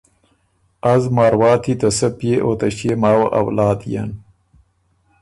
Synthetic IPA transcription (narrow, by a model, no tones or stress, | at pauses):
ɐzmɑːɾwɑːt̪ʰit̪ɐsɐpjeʔoːt̪ɐɕemaːwɐ̰ʔɐ̰wlɑːd̪ja̰n